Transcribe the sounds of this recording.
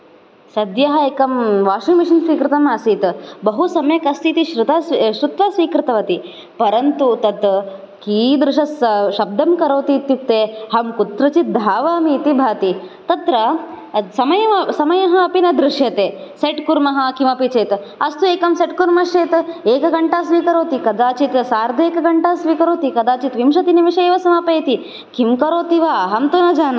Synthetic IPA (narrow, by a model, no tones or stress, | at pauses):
sɐd̪jɐɦɐeːkɐmʋaːʂumiʃɐnsʋiːkɾɪt̪ɐmaːsiːt̪bɐɦusɐmjɐkɐst̪ʰit̪iʃɾut̪aːsʃɾut̪ʋɐsʋiːkɾɪt̪ɐʋɐt̪i | pɐɾɐnt̪ut̪ɐt̪ | kiːd̪ɾɪʂɐsʃɐb̚d̪ʱɐmkɐɾɐwt̪iːt̪juk̚t̪eːhɐmkut̪ɾɐt͡ʃit̪̚d̪ʱaːʋaːmiːt̪ibʱaːt̪it̪ɐt̪ɾɐ | sɐmɐjɐsɐmɐjɐɦɐɐpinɐd̪ɾuʂjɐt̪eːseʈkuɾmɐɦɐ̆kimɐpit͡ʃɐjt̪ | ɐst̪ueːkɐmseʈkuɾmɐʃɐjt̪eːkɐɡɐɳʈaːsʋiːkɐɾoːt̪ikɐd̪aːt͡ʃit̪saːɾd̪ʱeːkɐɡɐɳʈaːsʋiːkɐɾoːt̪ikɐd̪aːt͡ʃit̪ʋimʃɐt̪inimiʃɐːʋɐsɐmapɐːjt̪i | kimkɐɾoːt̪iʋaːɦɐmt̪unɐd͡ʒaːnɐ